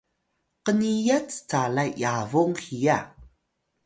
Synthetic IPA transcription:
qənijat͡st͡salajjavuŋxija

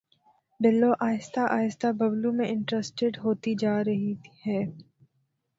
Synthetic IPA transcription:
bɪlːoʔaːjɪst̪ʰaʔaːjɪst̪ʰabɐblumẽʔɪ̃ɳʈɾesʈeɖɦoːt̪id͡ʒaːɾɐɦihɛː

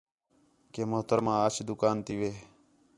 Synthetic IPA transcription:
keːmoɦt̪əɾmãːaːʃd̪ʊkaːnt̪iʋeː

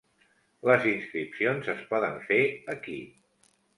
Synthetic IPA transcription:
ləzinskɾipsionzəspɔðəɱfeəki

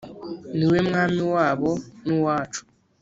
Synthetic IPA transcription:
niwem̩ŋamiwabɔnũwaːt͡ʃʰu̥

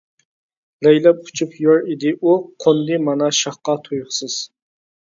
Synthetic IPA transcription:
lɛjlɛp̚u̥t͡ʃʰupʰjoɾid̪ɪʔuqʰond̪ɨmɑnɑʃɑχqɑt̪ʰojχsɨz̥

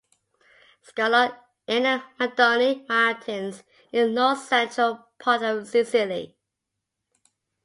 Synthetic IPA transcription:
skɑlə | ɪnəmədɔnimaɹɪtʰə̃nz | ɪ̃nːɔθsɛ̃nt͡ʃɹ̥əlˠpʰɑˑtəvsɪsɪlḭ

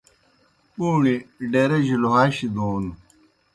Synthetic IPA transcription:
uːɳiɖeɾeʑiluɦaːɕid̪oːnu

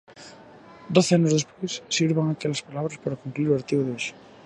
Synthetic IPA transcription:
d̪oθeanozðespwesːiɾβaŋakeʎaspalaβɾaspaɾakumkliɾuaɾt̪iβoðeoʃe̥

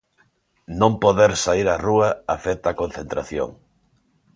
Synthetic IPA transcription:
nõmpoðeɾsaiɾaruaafet̪akon̟θent̪ɾaθjo̰ŋ

